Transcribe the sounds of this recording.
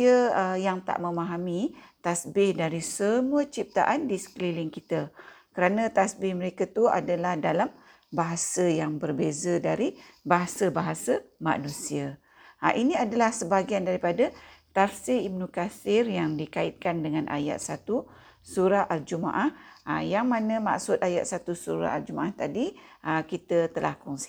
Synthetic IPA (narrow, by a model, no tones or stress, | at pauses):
əjaŋt̪a̰ʔmə̃maɦamĩt̪asbɪhdaɾisəmuət͡ʃip̚t̪aʔandisə̥klilɪŋkit̪akəɾanãt̪asbɪhməɾekat̪ua̰dalahdalam | baɦasəjaŋbərbezədaɾibaɦasabaɦasəma̰ʔnũsiə | ʔinĩadalahsəbaɡiandaɾipadət̪afsiibnukasɪrjaŋdikaɪt̪̚kandəŋanʔa̰ja̰t̪̚sat̪u | suɾaʔald͡ʒuma̰ʔahjaŋmãnə̃ma̰ksʊt̪̚ajat̪̚sat̪usuɾa̰ald͡ʒumaʔaht̪adi | ʔəkit̪ət̪əlʔa̰hkɔŋsi̥